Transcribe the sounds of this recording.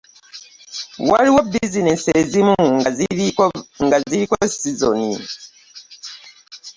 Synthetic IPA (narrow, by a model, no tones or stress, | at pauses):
waɾiwɔbizinensezimuŋaz | ŋɡaziɾikosizo̰ni